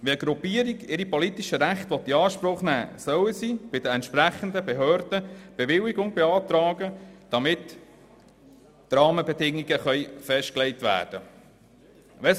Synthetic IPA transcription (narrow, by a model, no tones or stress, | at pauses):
ʋiəɡɾupiəɾiɡɪɾipɔlit̪iʃəɾæχt̪ʋɔt̪ːiɑːʃpɾʊχnæ̰ːsœwəsib̥ɪd̥̪əɛntʃpɾæχənd̪əbeɦœːɾdəb̥eʋɪwiɡʊŋbɛɑːt̪ɾɑːɡəd̥ɑmɪt | ɾɑːməbɛdɪŋiɡəχœʏfɛʃt̚klɛɪtʋæ̰ːɾd̥ə | ʋɛs